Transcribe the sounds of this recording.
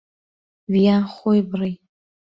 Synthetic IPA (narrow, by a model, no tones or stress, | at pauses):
ɥjaχʷojbraj